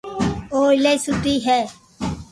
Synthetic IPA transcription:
oːɪlesuʈ̪iːɦɛː

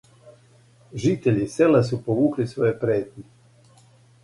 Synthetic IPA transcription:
ʒit̪eʎiːselasupoʋuːklisʋojepɾeːt̪ɲe

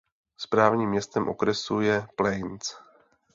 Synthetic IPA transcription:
spɾaːvɲiːmːɲɛst̪ɛmʔo̞̰kɾɛsujɛplɛjnt͡s

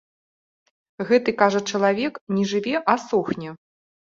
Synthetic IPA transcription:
ɣɛt̪ɨkaʐɐt͡ʂɐlˠavʲɛknʲɛʐɨvʲɛʔasɔxnʲɛ

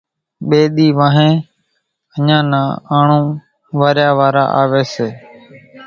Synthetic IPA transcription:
ɓeːɗ̪iːʋãːɦẽː | əɲãːnãːaːɳũː | ʋaːɾjaːʋaːɾa̰ːʔaːʋeːseː

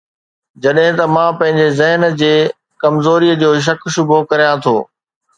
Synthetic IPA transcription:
d͡ʑɐɗɦɪ̃t̪ɐmãːpɐ̃ɦɪ̃ɲd͡ʑezɪɦnd͡ʑeː | kɐmzoːɾijəd͡ʑoːʃ̬ɐkʃʊbʱokɐɾijãt̪ʰo̰ː

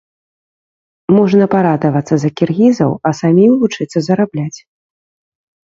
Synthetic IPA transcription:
mɔʐnɐpaɾad̪ɐvɐt̪sːɐzɐkʲirɣʲizɐ̰wɐsamʲimvut͡ʂɨt̪sːɐzɐɾablʲat͡sʲ

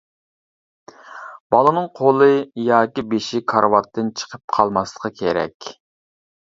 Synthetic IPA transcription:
b̥ɑlˠɨnɨŋqʰolˠɨjɑːkʲibeʃikʰɑɾwɑt̪ʰːɨnt͡ʃʰə̥qʰəp̚qʰɑlˠmɑslˠə̥qʰɑkʲʰeɾɛ̰kʲ

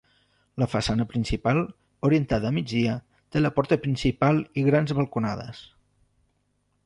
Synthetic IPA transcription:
ləfəsanəpɾinsipalˠ | uɾient̪aðəːmid͡zðiə | t̪eləpɔɾt̪əpɾinsipalˠiɣɾanzβəlˠkuna̰ð̞ə̰s

